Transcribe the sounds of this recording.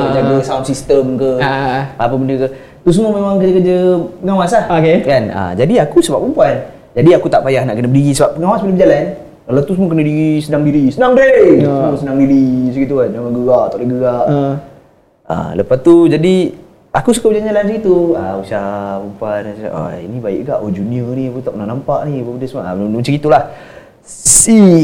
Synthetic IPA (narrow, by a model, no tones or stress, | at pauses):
əd͡ʒaɡəsaunsist̪əmkəapəbəndəkə | t̪us̬əməmemaŋkəd͡ʒəkəd͡ʒəəŋawasahokekanə̰d͡ʒadiakusəbapumpuan | d͡ʒadiakut̪aʔpajahnaʔkənəbədiɣisəbap̚əŋawasbəlebəd͡ʒalan | kalawt̪usəmuək̬ənədiɣisənaŋdiɾisənaŋdeəsənaŋdiɾisəɡit̪ukand͡ʒaŋanɡəɡaʔt̪aʔləɡəɡaʔ | a̰ləpast̪ud͡ʒadi | akusukabəd͡ʒaɲalansəɡit̪ua̰usahpumpan̰ʔa̰ḭnibaɪ̰ʔɡaʔod͡ʒuniəniakut̪aʔknanampaʔniapabəndəsəmua̰məsaɡit̪ulah | si